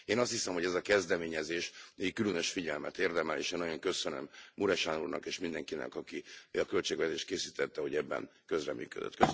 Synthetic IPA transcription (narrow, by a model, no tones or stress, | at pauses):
eːnɒst̪hisɛmho̞ɟɛzɒkɛzd̪ɛmeːɲɛzeːʃeikːylønøʃfiɟɛlmɛt̪eːrd̪ɛmɛlḛːʃeːnːɒjo̞ŋkø̞sønø̰mmuɾɛʃanṵːrnʔɒ̰keːʃmind̪ɛŋkinɛ̰kɒkiɒkø̞lt͡ʃeːɡvɛt̪eːʃt̪keːsiːt̪ɛt̪ːɛho̞ɟɛbːɛ̰nkø̞zrɛ̰my̰ːkø̰d̪ø̰t̪ːkø